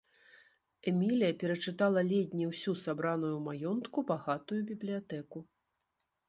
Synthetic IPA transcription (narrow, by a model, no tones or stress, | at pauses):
ɛmʲilʲijɐpʲɛɾɐt͡ʂɨt̪alˠɐlʲɛdʲnʲiwsʲusabɾanujumajɔnt̪kubaɣat̪ujubʲiblʲijat̪ɛku